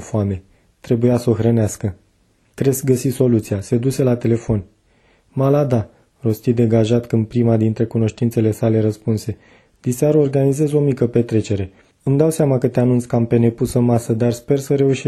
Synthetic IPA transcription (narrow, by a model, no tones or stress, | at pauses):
foame̞ | t̪ɾe̞bujasəoxɾəneaskə | kɾe̞skɡəsiso̞lut̪sijase̞d̪use̞lat̪e̞le̞fo̞n | malad̪a | ro̞st̪id̪e̞ɡaʒat̪kɨnd̪̚pɾimad̪int̪ɾe̞kuno̞ʃt̪int̪se̞le̞sale̞ɾəspunse̞ | d̪̥iseaɾuorɡanize̞zo̞mikəpe̞t̪ɾe̞t͡ʃe̞ɾe̞ | ɨmd̪awseamakət̪eanunt̪sʲkəampe̞ne̞pusɨnmasəd̪arspe̞rsəɾe̞uʃi